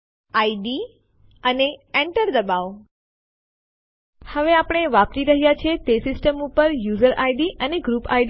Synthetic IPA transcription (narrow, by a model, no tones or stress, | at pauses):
aiɖi | əneɛɳʈəɾd̪əbaʋ | həʋeapəɽ̃eʋaptiɾəɦjat͡ʃʰet̪esɪsʈəmupəɾjuzəɾʔajɖiʔəneɡɾupa̰jɖ